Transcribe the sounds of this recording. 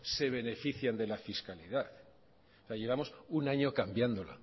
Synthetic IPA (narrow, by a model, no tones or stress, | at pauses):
se̞β̞e̞ne̞fiθjand̪e̞lafiskaliðaθ | seaʝe̞βamo̞sunaɲo̞kambjand̪o̞la̰